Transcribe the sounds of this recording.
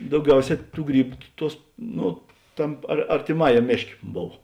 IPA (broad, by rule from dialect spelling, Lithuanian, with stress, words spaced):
dɐʊˈɡʲɛʊˌsʲɛː ˈtuː ˈɡrʲiːbʊ ˈtuɔs ˈnʊ ˈtɐm ɐr ɐrʲtʲeːˈmɑːjɛm ˈmʲeːʃʲˌkʲeː ˈboːw